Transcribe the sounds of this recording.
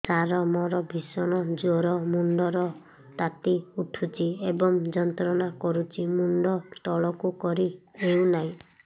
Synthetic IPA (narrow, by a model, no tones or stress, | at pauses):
t͡ʃaɾɔmɔɾɔbʱisɔnɔd͡ʒoɾɔmuɳɖɔɾɔ | t̪at̪iuʈʰut͡ʃʰiebɔŋd͡ʒɔnt̪ɾɔnakɔɾut͡ʃʰimuɳɖɔt̪ɔɭɔkukɔɾieũnaɦĩ